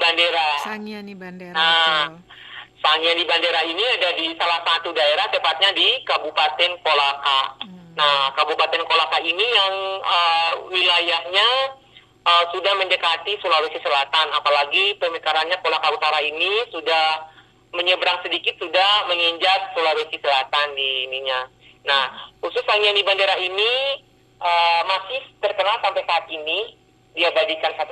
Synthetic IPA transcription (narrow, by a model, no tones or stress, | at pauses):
bandeɾa | a | saŋiadibandeɾainiadadisalahsat̪udaeɾaht̪əpat̪̚ɲadikabupat̪ɛnkolaka̰nahkabupat̪ɛnkolakainijaŋəwilajahɲa | əsudahməndəkat̪isəlalusisəlat̪anapalaɡipəməkaɾanɲakolakaut̪aɾainisudah | məɲəbɾaŋsədikɪt̪̚sudahməŋiɲd͡ʒat̪̚solalusisəlat̪andiniɲa | nahxusʊsaŋandibandeɾaini | ʔəmasɪht̪ərkənalsampajsaːt̪̚ini | diabad͡ʒikansat̪u